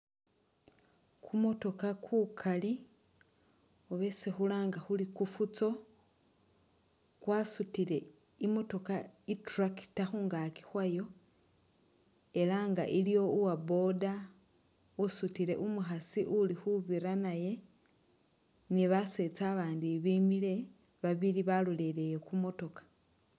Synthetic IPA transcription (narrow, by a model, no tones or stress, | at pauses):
kʰumo̞to̞kakʰuːkʰali | oβesixulaːŋɡaxulikufut͡so̞ | kwaːsutiɾe̞ | imo̞to̞kaitraki̥taxuːŋɡaki̥xwajo̞ | e̞laŋɡa̰ʔilijo̞uwabo̞da | usutiɾe̞̰ʔumuxasiʔulixuβiɾanaje̞ | niβase̞t͡saːβaːndiβimile̞ | βaβiliβalulele̞jekumo̞to̞kḁ